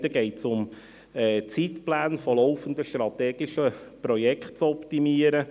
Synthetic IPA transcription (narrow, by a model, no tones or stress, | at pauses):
d̪əɡɛɪtsʊm | ɛːt͡sit̪plæːnfɔlɔʊfənd̪əʃt̪rɾɑt̪ɛːɡɪʃəpɾɔjɛkχt̚t͡sɔpt̪imiəɾə